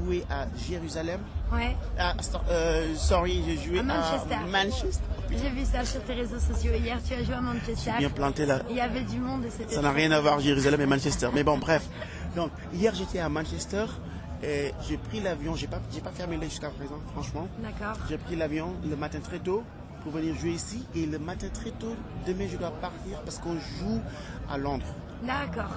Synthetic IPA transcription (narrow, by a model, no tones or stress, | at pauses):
ʒueʔaʒeʁyzalɛmwɛasɔsɔʁiʒeʒuemaʃɛsɛmãnʃɛst̪ʒevysasyʁt̪eʁezosɔsjoijɛʁt̪yaʒweamɑ̃nʃɛst̪ɛjɛ̃plɑ̃t̪elailavɛd̪ymɔ̃d̪esesanaʁjɛ̃navwaʁaʒeʁyzalɛmɛmɛ̃nʃɛst̪ɛʁmɛbɔ̃bʁɛf | d̪ɔ̃k | ijɛʁʒet̪ɛamɑ̃nʃɛst̪ɛʁ | eʒepχilavjɔ̃ʒepaʒepafɛʁmelɛʒyskapχezɑ̃fχɑ̃ʃmɑ̃d̪akɔʁʒepχilavjɔ̃ləmat̪ɛ̃t̪χɛt̪o | puʁvəniʁʒueisieləmat̪ɛ̃t̪χɛt̪od̪əmɛ̃ʒəd̪wapaʁt̪iːʁpaʁsə̥kɔ̃ʒu | a̰lɔ̃d̪ʁ | d̪akɔʁ